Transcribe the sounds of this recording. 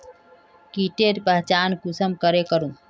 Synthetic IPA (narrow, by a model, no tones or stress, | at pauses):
kiʈeʈpəɦt͡ʃaːnkʊsəmkəɾekəɾũː